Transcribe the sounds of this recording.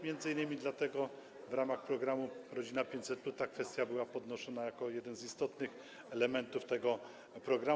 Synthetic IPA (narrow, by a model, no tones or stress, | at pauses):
mʲjɛnd̪zɘinːɘmʲid̪lat̪ɛɡɔ | vɾamaxpɾɔɡɾamuɾɔd͡ʑinapʲjeɲt͡ɕʲsɛt̪̚plut̪akfɛst̪ʲjabɘwapɔd̪nɔʃɔnajakɔjɛd̪ɛnzist̪ɔt̪nɘx | ɛlɛmɛnt̪uft̪ɛɡɔ | pɾɔɡɾa